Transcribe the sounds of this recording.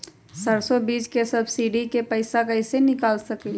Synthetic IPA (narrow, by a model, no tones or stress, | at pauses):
səɾsobiːd͡ʒkesɐbʱsiːɖikepəɪsakəɪsenɪkaːlsəki